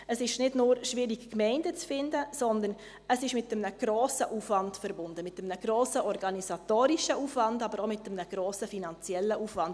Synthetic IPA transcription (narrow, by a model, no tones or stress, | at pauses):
əsɪʃnɪdnʊɾʃviːɾikkmɛɪndət͡sfɪndəsɔndən | əsɪʃmɪtːəmnəɡ̥ɾoːsəʔuːfvɑntfɛɾbʊndəmɪtəmnəɡ̥ɾoːsəʔɔɾɡɑnisɑtoːɾiʃəuːfvɑndɑbəɾomɪtːəmnəɡ̥ɾoːsəfinɑnt͡sjɛlːəʔuːfvɑnd